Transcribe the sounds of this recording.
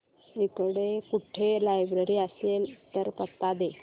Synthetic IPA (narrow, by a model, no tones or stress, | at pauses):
ikɽekuʈʰelajbɾeɾiəselt̪əɾpət̪ːad̪e